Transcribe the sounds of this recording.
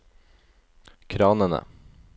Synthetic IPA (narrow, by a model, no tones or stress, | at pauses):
kʰɾɑːnənə̰